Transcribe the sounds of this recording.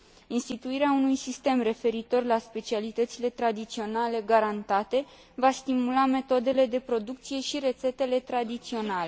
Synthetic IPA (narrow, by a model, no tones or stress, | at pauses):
inst̪it̪uiɾeaunujsist̪e̞mre̞fe̞ɾit̪o̞rlaspe̞t͡ʃialit̪ət̪sile̞t̪ɾad̪it̪sio̞nale̞ɡaɾant̪at̪e̞ | vast̪imulame̞t̪o̞d̪e̞le̞d̪e̞pɾo̞d̪uk̚t̪sije̞ʃiɾe̞t̪se̞t̪e̞le̞t̪ɾad̪it̪sio̞nale̞